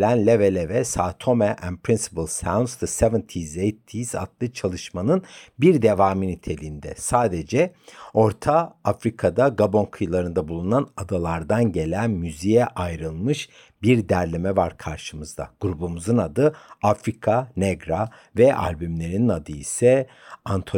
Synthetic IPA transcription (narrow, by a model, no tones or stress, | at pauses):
lʲænlʲevelʲevɛsaːt̪ʰo̞mɛʔɛnpʰɾinsi̥pɯlˠsawnd̪sd̪ɯsevɛnt̪ʰizejt̪ʰːiza̰d̪lˠɯt͡ʃʰalˠɯʃmanɯnbiɾd̪e̞vaːminit̪ʰe̞lʲiːnd̪ɛ̰saːd̪e̞d͡ʒɛo̞ɾt̪ʰaafɾikʰad̪aɡabo̞nkʰɯjlˠaɾɯnd̪abulˠunanad̪alˠaɾd̪anɟe̞lʲænmyzijɛʔajɾɯlˠmɯʃ | biɾd̪æɾlʲemɛvaɾkʰaɾʃɯmɯzd̪a̰ɡ̥uɾubumuzɯnad̪ɯafɾikʰanɛɡɾa | vɛʔa̰lʲbymlʲe̞ɾininad̪ɯisɛ | ant̪ʰo